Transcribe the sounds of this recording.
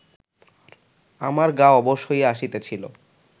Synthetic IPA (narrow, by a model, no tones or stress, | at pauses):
aɾ | amaɾɡaoɔboʃojeaʃit̪et͡ɕʰilo̰